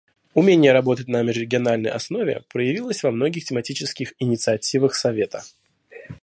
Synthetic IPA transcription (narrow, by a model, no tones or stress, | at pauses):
ʊmʲenʲɪjəɾɐbo̞t̪ətʲnəmʲɪʐɾʲɪɡʲɪɐnalʲnə̰jɐ̰sno̞vʲɪ̰pɾəjɪvʲilˠəsʲvɐmno̞ɡʲɪxtʲɪmɐtʲit͡ɕɪskʲɪxɪnʲɪt̪sɨɐtʲivəxsɐvʲe̞t̪ə